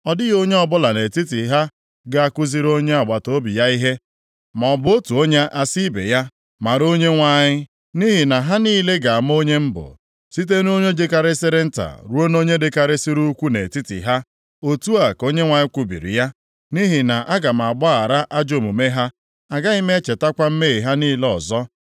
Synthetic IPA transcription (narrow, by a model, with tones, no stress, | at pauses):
ɔ˨dɪ˦jo˦ɲe˦ɔ˨bʊ˦la˨ne˨ti˦ti˨ɦa˦ | ɡa˦a˨kʷʊ˦zi˦ɾo˦ɲe˦a˨ɡ͡ba˨to˦bi˨ja˦i˦ɦe˦ | ma˨ɔ˨bʊ˨˦o˦tu˨o˦ɲe˦ʔa˦si˦bḛ˨ja˦ | ma˨ɾo˦ɲe˦ŋʷa˨ɲɪ˦ | ni˦ɦi˨na˨ɦa˦niː˦le˦ɡa˨a˨m˦o˦ɲe˦m̩˦bʊ̰˨ | si˦t̬e˦n˦o˦ɲe˦d͡ʒe˦ka˦ɾɪ˦sɪ˦ɾɪ˦n̩˦ta̰˨ɾu˦o˦no˦ɲe˦dɪ˦ka˨ɾɪ˦si˦ɾu˦kʷu˦ne˨ti˦tḭ˨ɦa˦ | o˦tu˦a˨ko˦ɲe˦ŋʷa˨ɲɪ˦kʷu˨bḭ˨ɾḭ˨ja˦ | ni˦ɦi˨na˨ʔa˦ɡa˨m̩˨a˨ɡ͡ba˦a˨ɾa˦ʔa˦d͡ʒo˨mu˨me˦ɦa˦ | a˨ɡa˦i˦me˦e˦t͡ʃe˨ta˦kʷa˦m̩˦me˦˨ɦa˦niː˦le˦ɔ̰˨zɔ˦